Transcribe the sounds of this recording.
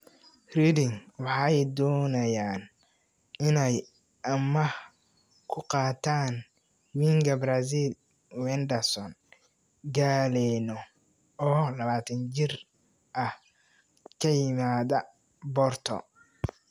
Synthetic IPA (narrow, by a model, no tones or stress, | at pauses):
ridɪŋwɑħɑjd̪ɔːnɐjaːn | ɪnɛj | ʔɐmɐ | kʰʊqɑːt̪ʰaːn | wiŋɡɐbɾas̬il | wɛnd̪ɐsɔn | ɡaːlɛnɔ | ɔːlɐβaːt̪ʰɐnt͡ʃɪr | ʔɐh | kʰɐjɪmaːðɐ | bɔrt̪ʰɔ̰